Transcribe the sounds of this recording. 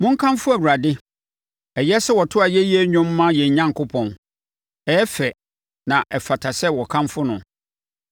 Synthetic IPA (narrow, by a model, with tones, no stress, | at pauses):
mʊ̃˦ŋ̩˦kʰã˦mfʊ˦æ˨wu˨ɾa˨dɪ˦ | ɛ˨jɛ˦sɛ˦wɔ˨tʰʊ˦a˨jɛ˦jɛ˦ɲʊ̃˦mː˦ã˦jɛ˨ɲ˨ɲã˦ŋ˨kʰʊ˦pʰɔ̃˨n | ɛː˨˦fɛ˨ | nã˨ʔɛ˨fa˨tʰa˨sɛ˦wɔ˨kʰã˦mfʊ˦nʊ̃˨